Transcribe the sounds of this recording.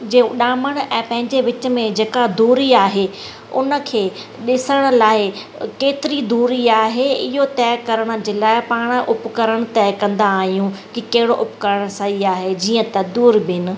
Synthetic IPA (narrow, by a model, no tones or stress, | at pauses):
d͡ʑeːɗaːməɽ̃ɛ̃ːpɐ̃ɦɪ̃ɲd͡ʑeʋɪt͡ɕə̆mẽd͡ʑeːkad̪uːɾiaːɦe | ʊ̰nə̆kʰeː | ɗɪsəɽ̃ə̆laːɪ | keːt̪ɪɾid̪uːɾiaːɦeɪɦot̪ɛːkɐɾəɽ̃̆d͡ʑeːlaːɪpaːɽ̃ʔʊpkɐɾəɽ̃t̪ɛːkɐ̃nd̪aːɦijũkikɐɦɪɽoʔʊpkəɾəɽ̃saɦiaːɦed͡ʑiːə̃t̪ɐd̪uːɾbɪɪnɪ̆